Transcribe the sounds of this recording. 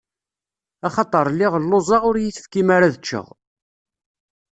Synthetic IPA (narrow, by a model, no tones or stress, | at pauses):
ɑχɑt̪ˤəɾˤlːɪʁəlːozˤɑʁʊɾjiθə̥fkimaɾaðət͡ʃːə̰ʁ